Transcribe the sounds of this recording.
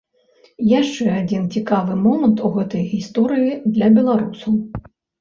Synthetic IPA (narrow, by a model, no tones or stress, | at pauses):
jaʂt͡ʂɛad͡zʲint͡sʲikavɨmɔmɐnt̪uɣɛt̪ɐjɣʲist̪ɔɾɨjid̪lʲɐbʲɛlˠaɾusɐw